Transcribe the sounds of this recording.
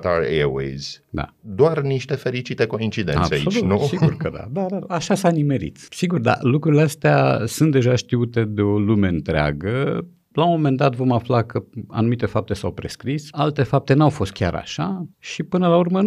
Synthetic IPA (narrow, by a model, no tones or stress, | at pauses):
t̪aɾewḛjz̥ʲd̪a̰d̪oarniʃt̪e̞fe̞ɾit͡ʃit̪e̞ko̞int͡ʃid̪ḛna̰pseasiolunusiɡurkəd̪a̰d̪ad̪aaʃasanime̞ɾḭt̪siɡurd̪a̰lukɾuɾileast̪ea̰sunt̪̚d̪e̞ʒaʃt̪iut̪e̞d̪e̞o̞lume̞ɨnt̪ɾea̰ɡə | lamo̞me̞nd̪at̪vo̞maflakʰəa̰numit̪e̞fap̚t̪e̞sawpɾe̞skɾisalt̪e̞fap̚t̪e̞nawfo̞st̪̚kʲaɾa̰ʃaʃipɨnəlaurmə